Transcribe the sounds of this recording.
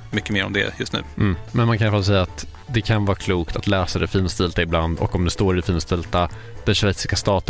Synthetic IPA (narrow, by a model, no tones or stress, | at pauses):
mʏkːəmeːɾɔ̰md̪ɛ̰jɵst̪nʉ̟ːm̩ːmɛnmankʰanjaɾfals̬ɛjːaːt̪ | d̪ɛkʰanvɑːɾkʰluːkt̪at̪lɛːsad̪ɛfiːnst̪ɪlt̪aɪbland̪ɔ̰kːɔmd̪ɛst̪oːɾɪfiːnst̪ɪlt̪a | d̪̥ɛnʂvɛjt̪sɪskast̪ɑːt̪ə